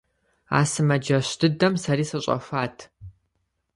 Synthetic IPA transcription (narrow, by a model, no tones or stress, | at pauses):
a̰ːsɨmɐd͡ʒɐɕtʰɨdɐmsɐɾiːsɐɕʼɐ̰faːtʰ